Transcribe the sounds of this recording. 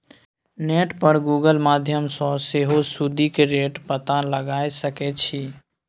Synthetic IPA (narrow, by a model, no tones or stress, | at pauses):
neːʈpəɾɡuːɡəlmaːd̪ʱjəmsɔseɦosud̪ʱikeɾeːʈpət̪aləɡaːesəkɛt͡ʃʰi